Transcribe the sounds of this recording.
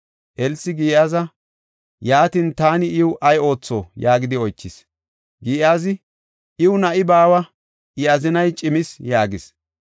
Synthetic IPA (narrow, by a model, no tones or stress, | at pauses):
ʔɛlsɪɡiːjaːzɐ | jaːt̪iːnt̪aːnɪɪwʊʔɐjo̞ːt͡sːo̰ːjaːɡɪd̪ɪɔjt͡ʃːɪs | ɡiːaːzɪ | ʔɪwʊnɐʔɪbaːwɐ | ʔɪɐzɪnɐjt͡ʃʼɪmɪsjaːɡɪs